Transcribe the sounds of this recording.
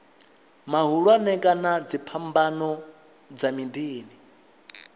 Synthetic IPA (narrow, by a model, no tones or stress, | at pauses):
maɦuɺwanɛkʼanad͡zipʰambanɔ | d͡zamindiːni